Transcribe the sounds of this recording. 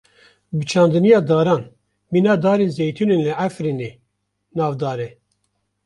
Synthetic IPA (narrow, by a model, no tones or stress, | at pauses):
bɨt͡ʃʰɑ̃ːnd̪ɨnijɑːd̪ɑːɾɑːn | minɑːd̪ɑːɾezejt̪ʰunenlɨæfɾineː | nɑːvd̪ɑːɾe